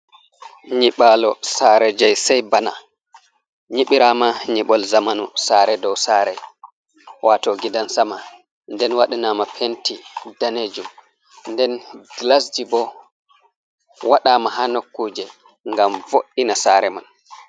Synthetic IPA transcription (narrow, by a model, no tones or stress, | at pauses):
ɲiɓaːlɔsaːɾɛd͡ʒajsajbana̰ | ɲiɓiɾamaɲiɓɔlzamanṵsaːɾɛdɔwsaɾɛ̰j | watɔɡidansama | ndɛnwaɗinamapʰentidaned͡ʒum | ndɛnɡlasd͡ʒibɔ | waɗaːmaɦanokːuːd͡ʒɛ | ŋɡamvoɗinasaːɾɛman